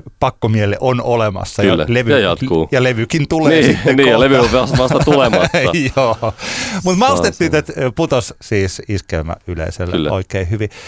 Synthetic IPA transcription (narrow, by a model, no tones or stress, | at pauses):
pɑkːomielḛʔonolemɑ̰sːɑjːæ̰leʋyjɑt̪kuːjɑleʋykint̪uleːsitːenijɑleʋypeɑsmɑst̪ɑt̪ulemɑjoːmut̪mɑust̪et̪ːiːt̪et̪put̪ossiːsiskeymæ̰ʔylḛiselːʔo̰ikeihyʋi